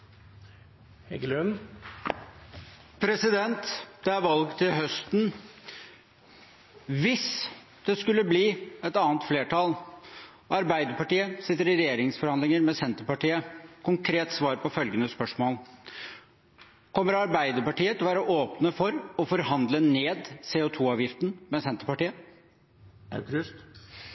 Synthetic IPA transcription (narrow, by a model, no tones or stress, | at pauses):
hɛɡlʉn | pʰɾɛsɪd̪ɛnt̪d̪̥ɛæɾʋɑlɡt̪ʰɪlɦœst̪n | ʋɪs | d̪̥ɛskʉlːəbliːɛt̪ɑːnt̪fleːʈʰɑl | ɑɾbæɪd̪əpɑʈiːəsɪt̪ːəɾɪɾɛjeːɾɪŋsfɔɾhɑnd̪ɪŋəɾmɛsɛnt̪əɾpɑʈiːəkʰʊŋkʰɾeːt̪sʋɑːɾpɔfœlɡənəspœʂmoːl | kʰɔmːəɾɑɾbæɪd̪əɾpɑʈiːət̪ʰɪlʋæːɾɔʔoːpnəfɔɾɔfɔɾhɑnd̪ləneːd̪seːot̪ʰuːɑːʋjɪft̪n̩mɛsɛnt̪əɾpɑʈiːə | ɾʏs